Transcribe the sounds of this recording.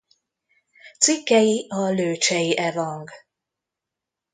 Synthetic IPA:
t̪sikːɛjiɒløːt͡ʃɛjiʔɛvɒŋɡ

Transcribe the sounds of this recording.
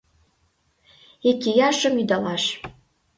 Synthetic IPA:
ekijɑʃə̆myd̪ɑlɑʃ

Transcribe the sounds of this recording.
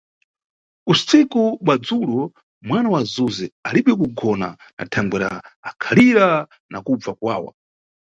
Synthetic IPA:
usikuɓwad͡zulɔ | mwanawazuzɛaliɓɛkuɡɔna̰na̰tʰaŋɡɛɾa̰ːkʰaliɾa | nakub͡vakwa̰ːwa̰

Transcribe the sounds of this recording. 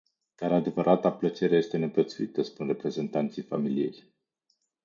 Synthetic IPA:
d̪̥aɾad̪e̞vəɾʔat̪aplət͡ʃe̞ɾe̞je̞st̪e̞ne̞pət̪suit̪əspunre̞pɾe̞ze̞nt̪ant̪sijfamilije̞̰j

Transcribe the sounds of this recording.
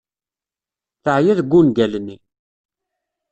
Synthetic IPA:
θəʕjæðɡʷːunɡælnːi

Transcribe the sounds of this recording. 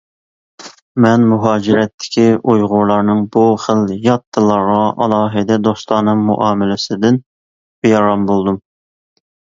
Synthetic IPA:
mɛnmuɦɑːd͡ʒiɾɛt̪ʰːɪ̥kʲʰiʔujʁʊɾlˠɑɾnɨŋbuχəljɑt̪ʰːɨlˠɑɾʁɑʔɑlˠɑːɦɨd̪ɛd̪ost̪ˠɑnɨŋmṵʔɑːmɪlɪsɪd̪ɪn | bejɑɾɑmbolˠd̪um

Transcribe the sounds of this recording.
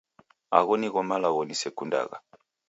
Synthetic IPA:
a̰ɣɔniɣɔmalaɣɔnisɛkunda̰ɣa̰

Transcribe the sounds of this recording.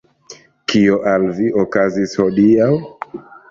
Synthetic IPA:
kioʔalviʔokazishodiaw

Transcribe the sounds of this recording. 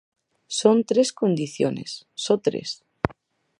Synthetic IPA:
sont̪ɾeskond̪iθjonḛsːot̪ɾḛs

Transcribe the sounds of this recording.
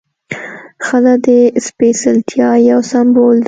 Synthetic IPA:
xəlad̪espesalt̪ʰjɑjawsambold̪

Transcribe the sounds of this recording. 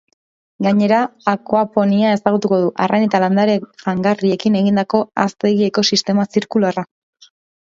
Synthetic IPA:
ɡaɲe̞ɾaːkoapo̞niae̞saɣ̞ut̪uko̞ð̞uʔarʔanet̪aland̪aɾeʝaŋɡarie̞kine̞ɣind̪ako̞a̰st̪e̞ɣie̞ko̞sist̪e̞masiɾkulara

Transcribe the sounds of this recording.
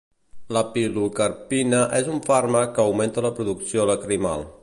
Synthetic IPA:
ləpilukəɾpinəʔezuɱfarməkəːwment̪ələpɾuðuksioləkɾima̰lˠ

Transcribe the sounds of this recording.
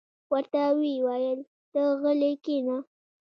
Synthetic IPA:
wəɾt̪awiwajəl | d̪̥əɣəlekina

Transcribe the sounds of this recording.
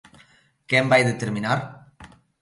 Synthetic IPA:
kɛmbajðet̪eɾminaɾ

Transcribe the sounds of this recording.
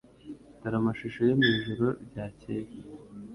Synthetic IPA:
taɾamaʃiʃojomiːʒuɾoɾɟaːcej

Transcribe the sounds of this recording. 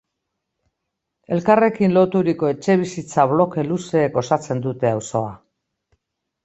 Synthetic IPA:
e̞lkare̞kinlo̞t̪uɾiko̞e̞t͡ʃe̞β̞isit͡saβlo̞ke̞luse̞ːko̞sat͡se̞nd̪ut̪e̞awso̞a

